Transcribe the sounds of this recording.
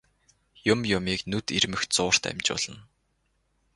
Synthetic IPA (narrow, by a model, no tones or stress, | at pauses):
jʊmjʊmiːknɵt̪irmɘ̆xt͡sʊːr̥t̪æ̰mt͡ɕpʊ̰ɮ̥ə̆n